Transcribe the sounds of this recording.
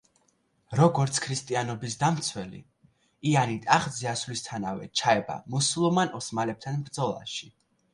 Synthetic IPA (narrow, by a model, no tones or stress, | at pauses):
ɾɔɡɔɾt̪sʰkʰɾist̪ʼianɔbisd̪amt̪sʰwɛlḭ | ianit̪ʼaχd̪ziasvlist̪ʰanavɛ̰t͡ʃʰaɛba̰musulˠumanɔsmalɛp̚t̪ʰanbɾd̪zɔlˠa̰ʃi